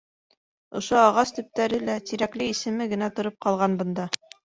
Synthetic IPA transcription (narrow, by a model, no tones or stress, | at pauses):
ŏʃoɑʁɑst̪ɵ̆p̚t̪æɾɘlæt̪iɾæklɘisɘ̆mɘɡɘ̆næt̪ŏɾop̚qɑlˠʁɑnbɤ̆nd̪ɑ